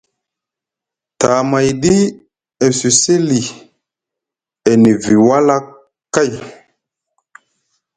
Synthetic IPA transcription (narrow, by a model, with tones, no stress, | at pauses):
ta˨ma˨jɗi˦ | e˨si˨se˦li˨ | e˨ni˨vi˨wa˦la˦kː | a˦˨j